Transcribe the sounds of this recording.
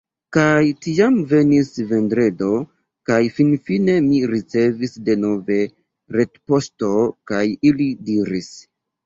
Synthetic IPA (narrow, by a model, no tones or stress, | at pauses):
kajtiamve̞nisve̞ndɾe̞do̞ | kajfinfine̞miɾit͡se̞visde̞no̞ve̞ | ɾe̞tpo̞sto̞kajilidiɾis